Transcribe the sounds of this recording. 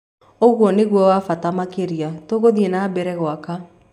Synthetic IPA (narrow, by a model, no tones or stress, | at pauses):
oɣwɔneɣwɔwafatamakeɾiatoɣoðienabɛɾɛɣwaka